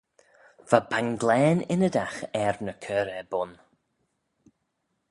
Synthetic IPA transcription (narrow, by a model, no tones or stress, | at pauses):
v̥abaŋɡlɛːnɪnəd̪axɛɹnəkʰœːɾɛbʊn